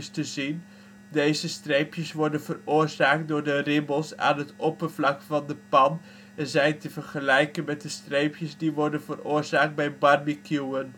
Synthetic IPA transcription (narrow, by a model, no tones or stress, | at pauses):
stəzin | dejzəstrejpjəsʋɔɹdənvərʊːrzaːkt̚dʊːɹdərɪbəlˠsa̰ːnɦətɔpərvlɑkfɑndəpɑn | ɛnzɛjntəvərχəlɛjkənmɛt̚dəstrejpjəzdiʋɔɹdənvərʊːɹzaːk̚d̚bɛjbɑrmikjuən